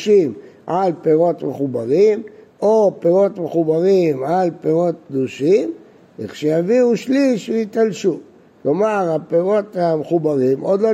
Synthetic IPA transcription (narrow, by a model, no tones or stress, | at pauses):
ʃimʕalpeʁo̞t̪meχubaʁim | opeʁo̞t̪meχubaʁimʕalpeʁo̞t̚kd̪uʃim | ḛχʃejaviuʃliʃveit̪alʃu | klo̞maʁapeʁo̞t̪ameχubaʁimo̞d̪lo